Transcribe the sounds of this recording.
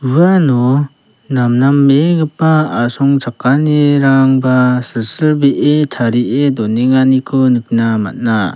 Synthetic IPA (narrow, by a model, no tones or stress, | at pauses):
uanɔ | namnamːeŋɯpːaːsɔŋd͡ʒakːaneɾaŋbasɯsɯlbeʔetʰaɾiʔedɔneŋanikʰɔnɯk̚nama̰t̚na